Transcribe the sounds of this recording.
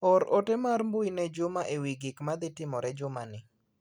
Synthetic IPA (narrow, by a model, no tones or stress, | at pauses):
ɔɾotɛmaɾmbʊinɛd͡ʒʊmaʔewiɡɪkmad̪ɪtɪmɔɾɛd͡ʒʊmanɪ